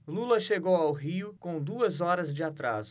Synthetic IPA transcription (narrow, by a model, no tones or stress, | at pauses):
lulɐʃeɡowawɦiʊkõw̃d̪uɐzɔɾɐzd͡ʒɪat̪ɾa̰zʊ